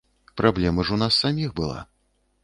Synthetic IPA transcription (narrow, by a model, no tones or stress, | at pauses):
pɾablʲɛmɐʐunasːamʲixbɨlˠa̰